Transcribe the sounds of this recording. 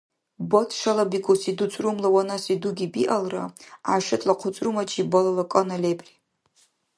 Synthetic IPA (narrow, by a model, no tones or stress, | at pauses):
botʰʂalabikʷʰʼusidut͡sʷʼrumlawanasiduɡʲibiʔalra̰aʃɪtʰʼlaqʷʰʊt͡sʷʼrumat͡ʃʰʼibolalakʼonalebʼri